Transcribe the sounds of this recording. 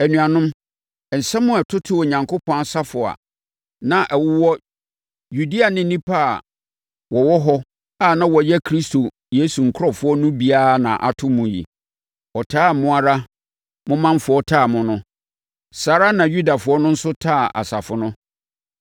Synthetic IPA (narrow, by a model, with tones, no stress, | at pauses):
æ˨nũ˨a˨nʊ̃˦m˨ | n̩˨sɛ̃˦mːʊ̃˦ɛ˨tʰʊ˦tʰʊ˦ɔ˨ɲã˨ŋkʊ˦pʰɔ̃˦a˨sa˦fʊ˨a̰˨ | nã˨ʔɛ˨wʊ˦wɔ˦ | ju˨di˦a˨nɪ̃˦nĩ˦pʰa˦a˨ | wɔ˨wɔ˦ɦɔ˦ | a˦˨nã˦wɔ˨jɛ˦kʰɾi˦sto˨ | je˦su˨ŋ̩˨kʰʊ˦ɔ˨fʊ˦ɔ˦nʊ̃˦bi˦a˦˨nã̰˨ʔa̰˨tʰʊ̃˦mũ˨jḭ˨ | ɔ˨tʰaː˦˨mʊ̃˦a˦ɾa˦ | mʊ̃˦mã˦ɱ˦fʊ˨ɔ˦tʰaː˦˨mʊ̃˦nʊ̃˦ | saː˨ɾa˦nã˨ju˦da˨fʊ˨˦ɔ˦nʊ̃˦n̩˦sʊ˦tʰaː˦˨ʔa̰˨sa˨fʊ˨nʊ̃˦